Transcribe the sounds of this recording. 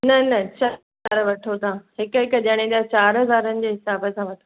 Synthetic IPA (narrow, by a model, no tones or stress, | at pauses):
nɐnɐt͡ɕɐlɦɐaːɾʋɐʈʰot̪ãɦɪkɦɪkəʄɐɽ̃ẽd̪at͡ɕaːɾɦɐzaːɾənɪ̆d͡ʑeːɦɪsaːbəsãʋɐʈʰo